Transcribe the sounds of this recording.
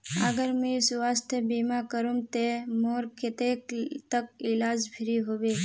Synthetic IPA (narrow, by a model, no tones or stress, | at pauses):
əɡəɾmẽsʋast̪ʰjebimakəɾũmt̪emoɾkʰet̪ekt̪əkɪlaːd͡ʒbʰʱɪɾiɦoːʋe